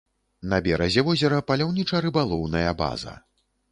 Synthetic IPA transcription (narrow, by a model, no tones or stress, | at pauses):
nɐbʲɛɾɐzʲɛvɔzʲɛɾɐpalʲawnʲit͡ʂɐɾɨbalˠɔwnɐjɐba̰zɐ̰